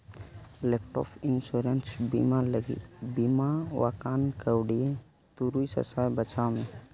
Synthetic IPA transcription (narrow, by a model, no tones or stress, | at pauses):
lep̚ʰʈɔ̰pʰinsuɾensbimaləɡḭbimawakaːnkəwɽijẽ | t̪uɾuisə̰sajbət͡ʃʰamẽ